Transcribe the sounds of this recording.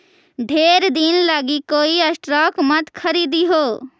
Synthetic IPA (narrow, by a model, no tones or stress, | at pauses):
ɖʱeːɾd̪inlaɡikoːiɐsʈɾɔːkmɐt̪kʰɐɾiːd̪iɦoː